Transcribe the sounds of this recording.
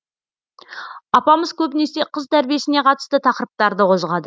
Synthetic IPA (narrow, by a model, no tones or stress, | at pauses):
ɑpɑməzkʲʰɵbɪne̞se̞qʰəzt̪ʰæɾbije̞sɪne̞qʰɑt̪ə̥st̪ət̪ʰɑqəɾəp̚t̪ɑɾd̪əqʰo̞zʁɑd̪ə